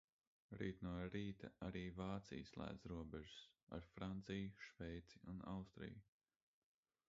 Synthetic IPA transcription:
ɾiːt̪nuɔɾiːt̪aaɾiːvaːt̪sḭjslˠæ̰ːd̪zɾuɔbɛʒʊ̥sa̰ɾfɾant̪sijʃvɛjt̪siunawst̪ɾḭj

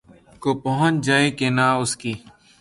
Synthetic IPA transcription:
koːpəɦət͡ʃd͡ʒaːẽːkeːnaːʊskiː

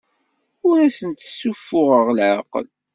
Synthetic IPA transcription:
ʊɾæsənt̪ə̥sːufːʊʁəʁlʕaqə̰l

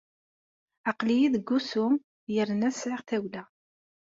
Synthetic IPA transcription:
ɑqlijiðəɡːusʊm | jəɾnæsʕɪʁθæwlæ

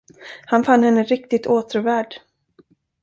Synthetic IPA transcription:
hanfanːhɛnːəɾɪk̚t̪ɪt̪ʰoːt̪ʰɾʊvæːɖ

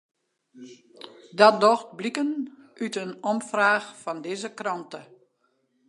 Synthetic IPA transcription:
dɔdɔxt̚blikənʔytənɔmfraːxfɔndɪzəkrɑntə

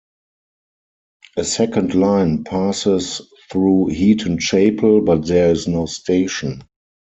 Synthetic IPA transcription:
ʔəsɛkə̃ndlãɪ̃npʰasɪs | θɹuːhiːtʰə̃nʃeɪpʰəlbat̚ðɛɪznoʊstʰeɪʃə̃n

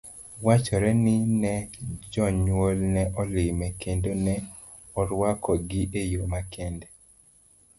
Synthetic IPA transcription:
wat͡ʃɔɾɛnɪnɛd͡ʒɔɲwolnɛʔɔlɪmɛkendonɛ | ɔɾwakɔɡɪʔejomakɛndɛ

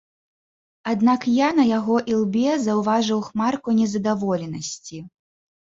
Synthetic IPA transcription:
ad̪nakjanɐjaɣɔʔilˠbʲɛzɐwvaʐɨwxmarkunʲɛzɐd̪avɔlʲɛnɐsʲt͡sʲi

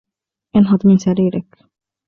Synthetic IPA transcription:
ʔɪnɦɑd̪ˤmɪnsaɾiːɾɪk

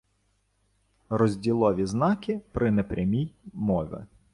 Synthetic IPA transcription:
rɔzʲdʲilˠɔʋʲiznɑkɪpɾɪnɛpɾʲɐmʲijmɔʋʲɪ̰

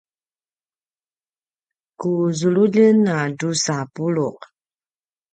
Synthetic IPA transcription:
kuzuɭuʎənadusapuɭuq

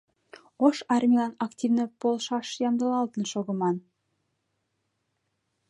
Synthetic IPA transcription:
oʃɑrmʲilɑnɑktʲivnəpolˠʃɑʃjɑmd̪əlˠɑlˠt̪ənʃoɣə̆mɑn

